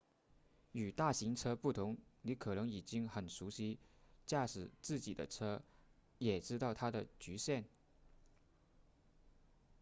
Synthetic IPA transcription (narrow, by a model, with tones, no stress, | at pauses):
y˨˩t̪a˥˩ɕi˧˥ŋʈ͡ʂʰɤ˥pu˥˩t̪ʰʊ˧˥ŋni˧˥kʰɤ˨˩nɤ˧˥ŋi˨˩t͡ɕi˥ŋxə˨˩nʂu˧˥ɕi˥t͡ɕja˥˩ʂɻ̩˨˩t͡sɹ̩˥˩t͡ɕi˨˩d̪ə̰˦ʈ͡ʂʰɤ˥ | jɛ˨˩ʈ͡ʂɻ̩˥t̪ɑ˥˩ʊt̪ʰa˥d̪ə˨t͡ɕy˧˥ɕjɛ˥˩n